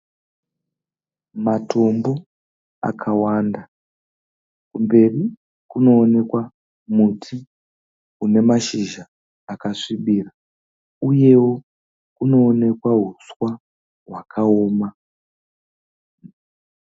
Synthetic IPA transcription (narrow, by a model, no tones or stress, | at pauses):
matʰo̞mbo | a̰kʰawanda | kumbe̞ri | kuno̞ːne̞kwa | mutʰi | une̞maʃiʒaː | kaʂiɓiːra | uje̞wo̞ | kuno̞ːne̞kwaɦuswa | ɦwakʰaoːma